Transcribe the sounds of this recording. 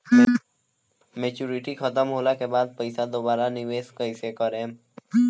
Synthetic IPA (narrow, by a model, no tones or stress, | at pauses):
meːt͡ʃuːɾɪʈixʰət̪əmɦoːlakebaːd̪̚pəɪsad̪oːbaːɾanɪʋeːskəɪsekəɾẽː